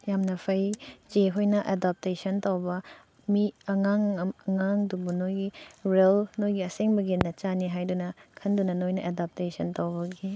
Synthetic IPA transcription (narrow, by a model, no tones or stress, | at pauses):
jamnɐpʰɐjd͡ʒeɦojnɐʔedap̚tesɐntawbɐ | miɐŋaŋɐŋaŋdubunojɡiɾelnojɡiɐseŋbɐɡinɐt͡ʃaniɦajdunɐkʰɐndunɐnojnɐʔedap̚tesɐntɐwbɐɡi